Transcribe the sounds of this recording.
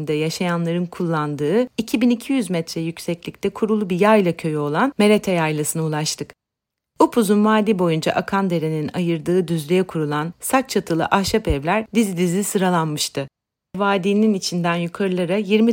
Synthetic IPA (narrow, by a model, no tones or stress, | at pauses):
nd̪ɛjaʃajanlˠaɾɯnkʰulˠːand̪ɯːicʰibinicʰijyzmɛt̪ɾɛjycsɛclʲict̪ʲɛkʰuɾulˠubijajlˠacʰø̞jo̞lˠanme̞ɾet̪ʰɛjajlˠasɯnɯulˠaʃt̪ʰɯk | upʰuzunvaːd̪iːbo̞jund͡ʒa̰ʔakʰand̪e̞ɾe̞ninajɯɾd̪ɯːd̪yzlʲijɛkʰuɾulˠansak̚t͡ʃʰat̪ʰɯlˠɯ̰ʔahʃapɛvlʲæɾd̪izid̪izʲisɯɾalˠanmɯʃt̪ʰɯ | vaːd̪ininit͡ʃʰind̪ænjukʰaɾɯlˠaɾajiɾmi